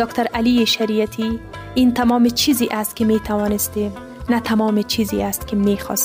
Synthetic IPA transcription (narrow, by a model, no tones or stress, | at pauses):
d̪ɒkt̪ʰaɾalijeʃaɾijat̪ʰi | int̪amɒmet͡ʃʰiziʔast̪̚kɪmet̪ʰawɔnɪst̪em | nat̪ʰamɒmet͡ʃʰizḭast̪kɪmexɔ̰s